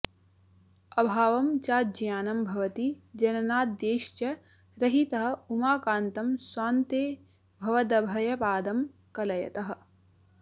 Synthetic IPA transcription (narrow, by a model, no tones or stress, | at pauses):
ɐbʱaːʋɐmt͡ʃaːd͡ʒɐjaːnɐmbʱɐʋɐt̪id͡ʒɐnɐnaːt̪̚d̪eːʃt͡ʃɐ | ɾɐɦit̪ɐɦɐ̆umaːkaːnt̪ɐmswaːnt̪eː | bʱɐʋɐd̪ɐbʱɐjɐpaːd̪ɐm | kɐlɐjɐ̰t̪ɐɦɐ̆